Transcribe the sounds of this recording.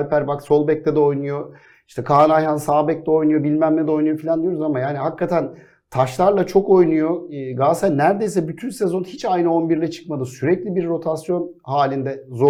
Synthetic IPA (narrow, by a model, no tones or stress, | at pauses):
lʲpʰæɾbakso̞lˠbɛc̚t̪ɛd̪ɛo̞jnujo̞ | i̥ʃt̪ʰɛkʰaːnajhansaːbɛc̚t̪ʲɛo̞jnujo̞bilʲmæmlɛd̪ɛo̞jnujo̞filʲand̪yjo̞ɾuzamajaːniɦakːat̪ʰæn | t̪ʰaʃlˠaɾlˠat͡ʃʰo̞ko̞jnujo̞ɡaːsɛnnːæɾd̪e̞jsɛbyt̪ʰynsɛzo̞nhit͡ʃajnɯo̞nbiɾlʲɛt͡ʃʰɯ̥kmad̪ɯsyɾɛclʲibiɾːo̞t̪ʰasjo̞n | haːlʲind̪ɛzo